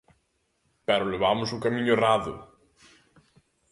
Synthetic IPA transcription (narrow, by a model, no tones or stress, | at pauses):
pɛɾʊleβamʊzukɐmiɲʊeraðʊ̰